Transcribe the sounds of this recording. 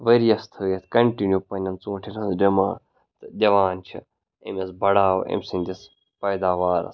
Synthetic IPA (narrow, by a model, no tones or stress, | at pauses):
ʋeɾijɐst̪ʰəjɐt̪ʰʲkɐɳʈinjupɐnʲɐnt͡sũːʈʰinɐd̪d͡ʒɐmaː | t̪ɨd̪ʲɐʋaːnt͡ʃʰḭ | ḛmɐsbɐɽaːw̰ḛmʲsinʲd̪ʲis | pɐjd̪aːʋaːɾɐ̰s